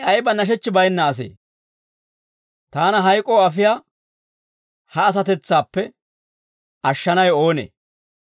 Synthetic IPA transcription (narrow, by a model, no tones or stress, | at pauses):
ɐjbɐnɐʃ̬ɛt͡ʃːɪbɐjnːɐːs̬ḛː | t̪aːnɐɦɐjkʼoːɐfɪjaː | hɐːs̬ɐt̪ɛt͡sːaːpːɛ | ɐʃːɐnɐjo̞ːnḛː